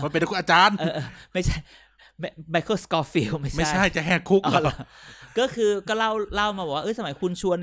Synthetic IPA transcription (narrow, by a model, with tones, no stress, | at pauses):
a˧˥˩pe˧ndku˧˨ʔaː˧t͡ɕaː˧nʔɤː˧˩ʔɤː˧˩ma˥˩jt͡ɕʰa˥˩j | ma˥˩ma˧jkʰoː˥˩skɔː˧˥fi˧˩wma˥˩jma˥˩˦jt͡ɕjʰa˥˩jt͡ɕa˨ɦɛː˥˩kʰu˦˥kʔɔː˧˩lkɔː˥˩kʰɯː˧kɔː˥˩la˥˩wla˥˩wmaː˧bɔ˨˩waː˥ʔɤ˧˥˩sa˧ma˩˦jkʰu˧nt͡ɕʰu˧ən